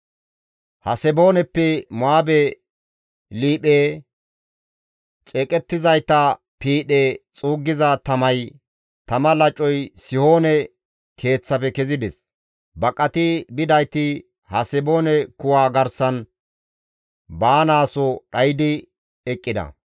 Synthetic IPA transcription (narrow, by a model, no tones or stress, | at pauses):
hɐsɛbo̞ːnɛpːɛmaːbɛ | liːɓeː | t͡ʃʼɛːkʼɛt̪ːɪzɐjt̪ːɐ | piːɗeːt͡sʼuːɡːɪzɐt̪ɐmɐj | t̪ɐmɐlɐt͡ʃʼːɔjsɪho̞ːnɛ | kʰe̞ːt͡sːɐpɛkɛzɪd̪ɛs | bɐkʼːɐt̪ɪbɪd̪ɐjt̪ɪ | hɐsɛbo̞ːnɛkʊwaːɡɐɾsɐn | baːnaːsɔɗɐjd̪ɪ | ɛkʼːɪd̪ɐ̰